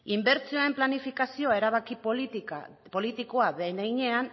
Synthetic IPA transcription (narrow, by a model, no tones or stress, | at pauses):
imbe̞ɾt͡sioae̞mplanifikasio̞ae̞ɾaβakip̪ | po̞lit̪iko̞aðeejɲe̞an